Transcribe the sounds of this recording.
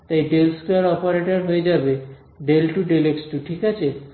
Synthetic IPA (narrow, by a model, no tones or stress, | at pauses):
t̪aiɖelskaɾɔpaɾeʈəɾɦojd͡ʒabe | ɖelʈuɖeleksʈuʈʰikat͡ʃʰe